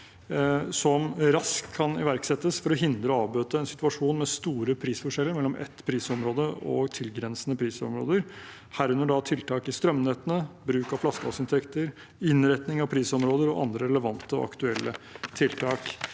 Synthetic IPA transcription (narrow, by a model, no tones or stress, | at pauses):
sɔmɾɑskʰːɑnɪ̰ʋæɾksɛt̪ːəsfɔɾɔɦɪnd̪ɾəɔɑːʋbøːt̪əɛnsɪ̥t̪ʉɑʂuːnmɛst̪uːɾəpʰɾiːsfɔʂɛlːəɾmɛlːɔmʔɛ̰t̪ːpʰɾiːsɔmɾoːd̪əɔ̰t̪ʰɪlɡɾɛnsənəpʰɾiːsɔ̰mɾo̰ːd̪əɾ | hæːɾʉnːəɖɑt̪ʰɪlt̪ʰɑːkɪst̪ɾœmneːt̪ənəbɾʉːkɑʋflɑskəɑ̰sɪnt̪ʰɛkt̪əɾ | ɪnɾɛt̪nɪŋɑʋpʰɾiːsɔmɾoːd̪əɾɔʔɑ̰nd̪ɾəɾɛləʋɑnt̪əɔ̰ɑ̰kt̪ʉɛlːʔət̪ʰɪlt̪ʰɑːk